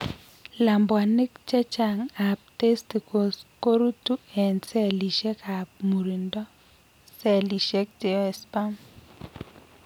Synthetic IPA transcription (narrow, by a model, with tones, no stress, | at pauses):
la˨mbwa˨ni˦kt͡ʃɛ˦t͡ʃa˨ŋa˨p̚te˦sti˨ko˨sko˦ɾu˦tu˦ɛ˨nsɛ˦li˨ʃɛ˦ka˨p̚mu˨ɾi˨ndɔ˦ | sɛ˦li˨ʃɛ˦k̚te˨ɛ˨spa˦m